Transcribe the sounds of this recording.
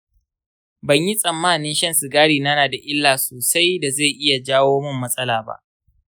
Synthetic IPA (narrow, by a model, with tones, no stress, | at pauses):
bɐ˨ɲji˦sʼɐ˨mːaː˦˨nɪ˦nʃɐ˦nsu˨ɡaː˦ɽiː˨na˦naː˨da˨ʔɪ˦lːaː˨soː˨sa˦jda˨za˦˨ʔɪ˦ja˨d͡ʒaː˦woː˦mɪ˦mːɐ˦sʼɐ˦laː˨ba̰˦ʔ